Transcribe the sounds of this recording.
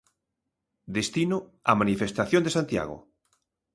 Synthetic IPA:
d̪est̪inʊamanifest̪aθjõnd̪esant̪ja̰ɣo̰

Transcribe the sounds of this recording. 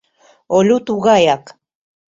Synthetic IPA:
olut̪uɣajak

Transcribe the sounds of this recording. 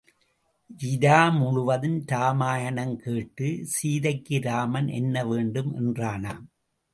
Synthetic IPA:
jɪðaːmʊɻʊʋɐðɯnt̪aːmaːjɐnɐŋkeːʈːɯsiːðɐɪkːɯɾaːmɐnʔɛ̰nːɐʋeːɳɖɯmʔɛ̰ndraːnaːm

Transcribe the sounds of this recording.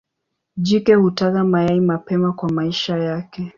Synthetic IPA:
d͡ʒikɛhutakamajaimapɛmakwamaiʃajakɛ

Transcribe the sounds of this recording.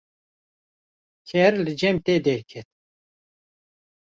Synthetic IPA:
kʰɛɾlɨd͡ʒɛmt̪eːd̪ɛɾkʰɛt̪̚

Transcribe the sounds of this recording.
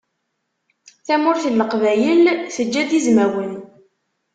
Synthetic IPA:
θæmʊɾθəlːəqvæjəlθəd͡ʒːæd̪izmæwən

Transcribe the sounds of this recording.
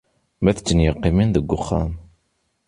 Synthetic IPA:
mæθəd͡ʒːənjəqːiminðəɡʷːʊχːam

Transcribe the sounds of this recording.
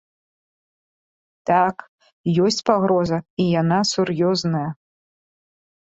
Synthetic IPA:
t̪ak | jɔsʲt͡sʲpaɣɾɔzɐijanasuɾjɔznɐjɐ

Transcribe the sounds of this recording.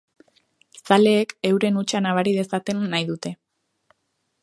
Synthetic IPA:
sale̞ːke̞wɾe̞nut͡ʃanaβ̞aɾið̞e̞sat̪e̞nːajðut̪e̞

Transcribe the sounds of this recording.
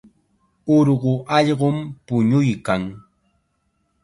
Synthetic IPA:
ʊɾɢʊʔɑʎɢʊmpʊɲʊjkaŋ

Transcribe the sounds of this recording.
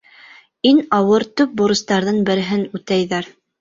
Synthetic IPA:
inɑwɤɾt̪ɵp̚boɾɤ̆st̪ɑɾðɤnbɘ̆ɾɘ̆ɦɘnʉt̪æjðæɾ

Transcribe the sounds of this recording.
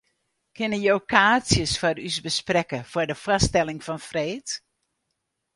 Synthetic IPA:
kʰɪnəjowkʰaːsjəsfɔrysbəsprɛkəfɔdəfastɛlˠɪŋfɔnfreːt

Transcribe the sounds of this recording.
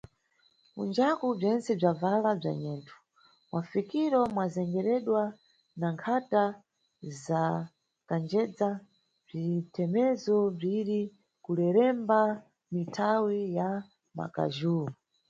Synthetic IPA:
kṵnd͡ʒakub͡ʐɛnt͡sɛb͡ʐavalab͡ʐa̰ɲɛːntʰu̥ | mwafikiɾɔmwazɛŋɡɛɾɛɗwa | naŋkʰata | za | kand͡ʒɛd͡za | b͡ʐitʰɛmɛzɔb͡ʐiɾi | kulɛɾɛmba | mitʰawija | ma̰ka̰ʒuːɔ

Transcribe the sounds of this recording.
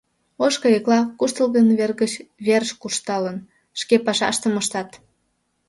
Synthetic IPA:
oʃkəjeklɑkuʃt̪əlɣənβerɣət͡ɕβerʃkuʃt̪ɑlən | ʃkepɑʃɑ̰ʃt̪əməʃt̪ɑt̪

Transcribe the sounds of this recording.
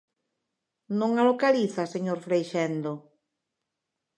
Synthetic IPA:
nõŋalokaliθaseɲoɾfɾejʃɛnd̪o

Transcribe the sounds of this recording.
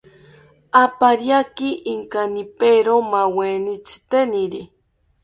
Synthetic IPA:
apaɾjakiʔiŋkanipeɾomawenit͡sʰi̥t̪eniɾi

